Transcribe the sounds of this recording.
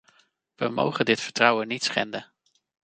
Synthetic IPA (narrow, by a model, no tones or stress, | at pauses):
ʋəmo̰wχəndɪtfəɹtrʌwənitsχɛ̰ndən